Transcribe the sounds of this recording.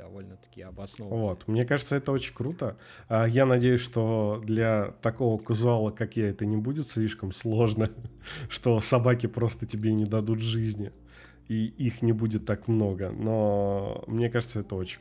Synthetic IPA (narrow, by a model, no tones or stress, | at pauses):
ɐolʲəɐ̥kʲiɐbɐsvo̞t̪mnʲekaʐɨt̪səɛt̪əot͡ɕɪnʲkɾut̪ə | ajanɐdʲejʉsʲʂt̪o̞d̪lʲɐt̪ɐko̞vəkʊzʊalˠəkakjaɛt̪ənʲɪbudʲɪt̪slʲiʂkəmslˠo̞ʐnəʂt̪o̞sɐbakʲɪpɾo̞st̪ətʲɪbʲenʲɪd̪ɐd̪ut̪ʐɨzʲnʲɪ | iixnʲɪbudʲɪt̪ːakmno̞ɡə̰no̞mnʲe̞kaʐɨt̪səɛt̪əo̞t͡ɕɪ̥